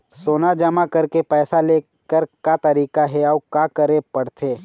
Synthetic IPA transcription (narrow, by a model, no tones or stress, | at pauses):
soːnad͡ʒɐmakɐɾkepɛːsaleː | kəɾkat̪ɐɾiːkaɦɛɔːkaːkəɾẽpɐɽt̪ʰeː